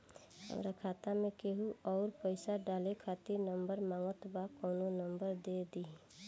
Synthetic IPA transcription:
ɦə̰mɾakʰaːt̪amẽkeɦuʔɔːɾpəɪsaɖaːlekʰaːt̪iɾnə̃mbəɾmãːŋɡət̪bakɔːnonəmbəɾd̪ed̪i

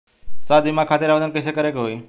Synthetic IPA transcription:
saːd̪ɪmãkʰaːt̪ɪɾaʋəd̪ənkesekəɾekɦoiː

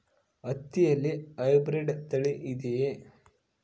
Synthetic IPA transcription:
ɐt̪ːijɐlːiɐjbɾeɖt̪ɐɭeʔid̪e

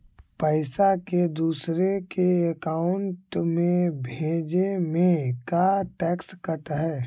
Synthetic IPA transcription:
pəɪsaked̪uːsɾekeəkaːʊɳʈmẽbʱẽːd͡ʒemẽkaʈɛːkskəɾt̪aɦɛː

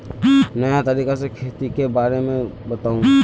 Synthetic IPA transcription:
nəjat̪ɐɾiːkasekʰeːt̪ikebaːɾemẽbɐt̪aːũ

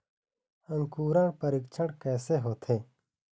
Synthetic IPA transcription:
əŋkuːɾãːɳpəɾikt͡ʃʰəɽkɛːseːɦoːt̪ʰẽː

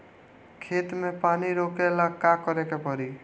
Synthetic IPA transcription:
kʰet̪mepaniɾokelakakʌɾekepɔɾi

